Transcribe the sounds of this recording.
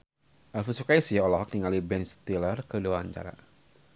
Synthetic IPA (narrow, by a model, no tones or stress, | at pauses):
ʔalfusukajsiɔlɔɦɔk̚niŋalibɛnst̪ilərkəduaɲd͡ʒa̰ɾa̰